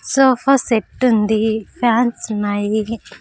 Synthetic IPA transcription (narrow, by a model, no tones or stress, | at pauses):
soːfɐseʈːund̪ifʰaːnsmaji